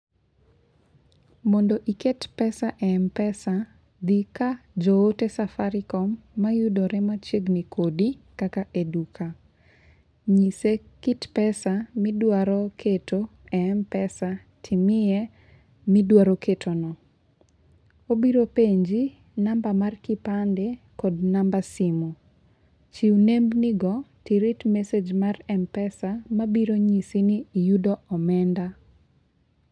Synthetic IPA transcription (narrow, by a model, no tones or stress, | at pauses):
mɔndɔʔiketpɛsaʔɛmpɛsa | d̪ikad͡ʒoːtɛsafaɾɪkɔmːajudɔɾɛmat͡ʃeɡnikodikakaʔedukʰa | ɲisekitpɛsamɪdwaɾɔkʰetoɛɛmpɛsa | tʰɪmɪjɛ | mɪdwaɾokʰetʰonɔ | obiɾopeɲd͡ʒi | nambamarkɪpandɛ | kɔdnambasimu | t͡ʃiunembnɪɡɔtiɾitmesed͡ʒmarɛmpɛsamabiɾoɲisiniːjudɔɔmɛnda